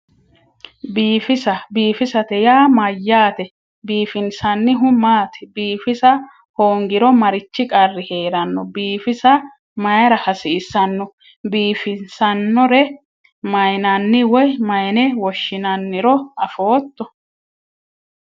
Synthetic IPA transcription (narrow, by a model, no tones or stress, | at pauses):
biːfɪsɐbiːfɪsɐt̪ɛjaːmɐjːaːt̪ɛ | biːfɪnsɐnːɪɦʊmaːt̪ɛ̥biːfɪsɐ | hoːŋɡɪɾɔmɐɾɪt͡ʃːɪkʼɐrːɪhe̞ːɾɐnːɔbiːfɪsɐ | mɐjɐɾɐhɐsɪːsɐnːɔ | biːfɪnsɐnːɔɾɛ | mɐjnɐnːɪwɔjmɐjnɛwɔʃːɪnɐnːɪɾɔɐfoːt̪ːɔ